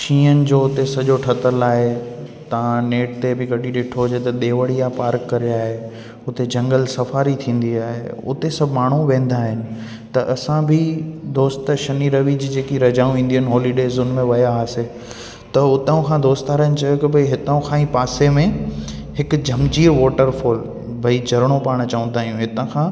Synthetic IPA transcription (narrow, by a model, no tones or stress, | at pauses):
t͡ɕʰĩːənɪ̆d͡ʑoːʊt̪esɐʄoʈʰɐt̪əlaːɦe | t̪ɐ̤ãneːʈt̪ebɪɡɐɗiɗɪʈʰod͡ʑet̪ɐɗ̪eːʋəɽiapaːɾkːɐɾiaːɦe | ʊt̪ed͡ʑɐ̃ŋɡəlsɐfaːɾit̪ʰĩːn̆d̪iaːɦḛʊ̰t̪esɐbʱmaːɳ̤uʋẽːn̆d̪aːɦɪnɪ̆ | t̪ɐʔɐsãbʱɪd̪oːst̪ʃɐniɾɐʋid͡ʑiːd͡ʑeːkiɾɐd͡ʑaːũĩːn̆d̪əənɦɔːliɖeːzʊnmẽʋɐjaːse | t̪ɐʊt̪aũkʰãd̪oːst̪aːɾaɪnt͡ɕɐjokɪbʱɐiɦɪt̪əũkʰãːĩpaːsemẽɦɪkd͡ʑʱɐmd͡ʑiːɾʋɔːʈəɾfoːl | bʱɐid͡ʑʱɐɾɽ̃opaːɽ̃t͡ɕɐʋə̃nd̪aːjũɦɪt̪ə̃kʰãː